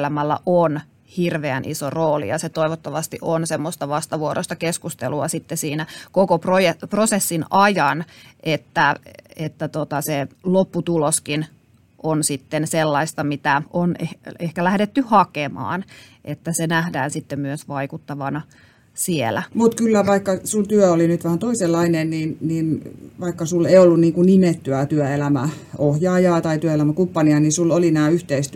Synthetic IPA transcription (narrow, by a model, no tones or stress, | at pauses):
læmælːæ̰ʔon | hirʋeænʔḭsoroːlḭjɑset̪oiʋot̪ːɑʋɑst̪iʔonsemːost̪ɑʋɑst̪ɑʋuoɾʔost̪ɑkeskust̪ḛluɑsit̪ːesiːnækokoprojeprosesːinɑjɑnʔet̪ːæet̪ːæt̪ot̪ɑselopːut̪uloskin | ʔonsit̪ːenselːɑist̪ɑmit̪æʔoneehkælæhdet̪ːyhɑkemɑ̰ːnʔet̪ːæsenæhdæːnsit̪ːemmyøsʋɑikut̪ːɑʋɑnɑ | sielæ̰mut̪kylːæʋɑikːɑsult̪yøolinyt̪ʋæhænt̪oiselːɑinenniːnniːnʋɑikːɑsulːeiolːunniːŋkunnimet̪ːyæt̪yøelæmæ | ohjɑːjɑːt̪ɑit̪yæelæmækumpːɑniɑnisulːolinæːyht̪eist̪